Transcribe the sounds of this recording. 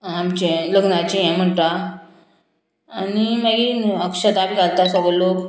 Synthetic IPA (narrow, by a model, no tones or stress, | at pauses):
amt͡ɕeləɡnat͡ɕiɦɛ̃m̤əɳt̪a | añiməɡiəkʂəd̪amiɡalt̪asɔɡəlok